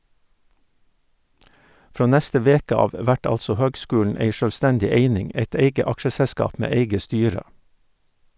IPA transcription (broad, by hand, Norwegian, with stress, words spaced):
ˈfɾoː ˈnɛstə ˈʋeːkə ˈɑːʋ ˈʋæʈ ˈɑlsɔ ˈhøːɡˌskʉːɳ̩ ˈeɪ ʃøːlˈstɛndɪ ˈeɪnɪŋ ˈeɪt ˈeɪɡə ˈɑkʃəsɛˌskɑːp ˈmeː ˈeɪɡə ˈstyːɾə